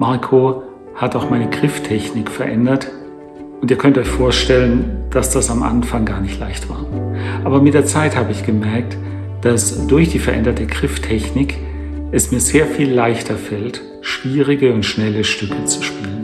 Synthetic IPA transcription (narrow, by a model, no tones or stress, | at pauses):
maɐkʰo | hataʊxmaɪnəɡʁɪftʰɛçnɪkfɛɐʔɛndɐt | ʔʊntiːɐkʰœntɔʏçfoːɐʃtɛlənd̥asd̥asamʔa̰nfaŋɡaːɐnɪçtlaɪçtv̥a̰ːɐʔaːbɐmɪt̚d̥eːɐt͡saɪthaːbəɪçɡ̥əmɛɐk̚t | d̥asd̥ʊɐçd̥iːfɛɐʔɛ̰ndɐtəɡʁɪftʰɛçnɪk | ɛsmiːɐzeːɐfiːlːaɪçtʰɐfɛlt | ʃv̥iːʁɪɡəʊntʃnɛləʃtʏkʰət͡su̥ʃpiːlən